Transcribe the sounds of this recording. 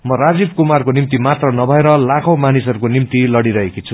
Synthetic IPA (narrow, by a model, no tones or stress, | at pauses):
mʌrad͡zib̚kumarkonimt̪imat̪rʌnʌbʱʌeɾʌlakʰomanisʌɾukonimt̪ilʌɽiɾʌɦekit͡sʰu